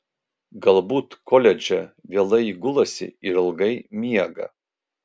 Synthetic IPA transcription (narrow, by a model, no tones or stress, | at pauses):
ɡɐlˠbuːt̪kʰolʲɛd͡ʒʲɛʋʲeɛːlˠɐɪiɡʊlˠɐsʲɪ̰iɾɐlˠɡɐɪmʲiɛɡɐ̰